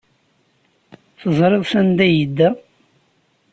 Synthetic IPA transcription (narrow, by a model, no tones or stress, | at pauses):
θəzˤɾˤeðˤθænd̪æjəd̪ːæ